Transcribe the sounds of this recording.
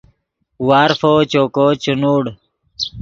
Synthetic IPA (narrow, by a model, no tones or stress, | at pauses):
waːɾfoːt͡ɕoːkoːt͡ɕunuːɽ